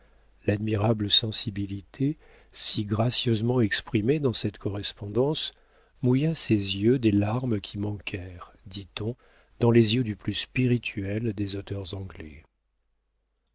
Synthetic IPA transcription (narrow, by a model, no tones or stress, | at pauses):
lad̪miʁabləsɑ̃sibilit̪ʰe | siɡʁasjøzmɑ̃ɛkspχimed̪ɑ̃sɛt̪kɔʁɛspɔ̃d̪ɑ̃s | mujasezjød̪elaʁmkʲʰimɑ̃kʰɛʁ | d̪it̪ɔ̃ | d̪ɑ̃lezjød̪yplyspiʁit̪ʰɥɛld̪ezot̪œʁzɑ̃ɡlɛ